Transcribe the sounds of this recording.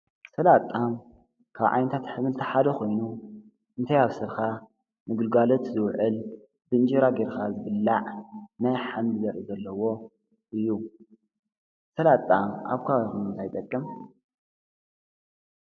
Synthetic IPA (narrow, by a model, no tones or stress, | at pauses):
sɐlat̪ʼːam | kʰaβʕa̰jnɐt̪ʰat̪ħɨmɨlt̪ʰɐħad̪ɐxʰo̞jnu | ʔɨnt̪ʰajaβsɨɾxa | mɨɡɨlɡalot̪zɨwʕɨl | bɨnd͡ʒiɾaɡeɾxazɨβɨlːaʕnajħamlzɐɾizɐlːɐwo̞ | ʔɨjːu | sɐlat̪ʼːama̰βkʰaajxunɨnt̪ʰajt̪ʼɐkʼːɨm